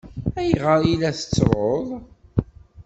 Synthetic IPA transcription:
æjʁəɾˤjilæθə̥t͡sːɾoðˤ

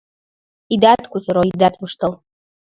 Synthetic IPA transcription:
id̪at̪kusɤɾoid̪at̪βɤʃt̪ɤ̆l

